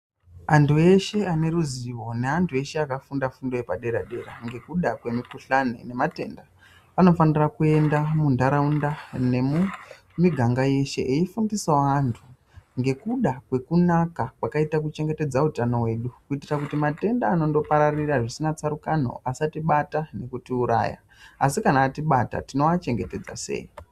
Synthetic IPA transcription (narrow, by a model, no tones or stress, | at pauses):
antʰue̞ʃe̞ane̞ɾuziʋo̞ne̞antʰue̞ʃe̞akafundafundojepaɗe̞ɾaɗe̞ɾa̰ŋɡe̞kuɗakwe̞mikuɬanḛne̞mate̞̰ːnda | ano̞fanirakue̞ndamundaɾaundane̞mu | miɡʱaŋɡaje̞ʃe̞̰ʔeifundisaoantʰu | ŋɡe̞kuɗakwe̞kunakakwakaitakut͡ʃe̞ŋɡe̞te̞d͡zautano̞we̞ːɗukuitirakutimate̞ndaːno̞ndo̞paɾariraʐisinat͡saɾukano̞̰ʔasatiɓatane̞kutiuɾa̰ːja̰ | asikanaːtiɓata̰tino̞at͡ʃe̞ŋɡe̞te̞d͡za̰se̞̰ːji